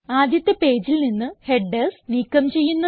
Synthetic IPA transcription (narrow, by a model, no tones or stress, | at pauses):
aːd̪jɐt̪ːepe̞ːd͡ʑilninːɨhe̞ɖːesniːkːɐmt͡ɕe̞jːunːɐ